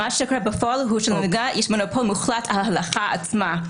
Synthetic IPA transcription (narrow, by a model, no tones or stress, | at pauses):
aʃɛkʰɔɾɛbəfɔalˠɦuʃɛlnɡajɪʃmanopʰɔlˠmuχlˠatʰahalˠaχaa̰t͡sma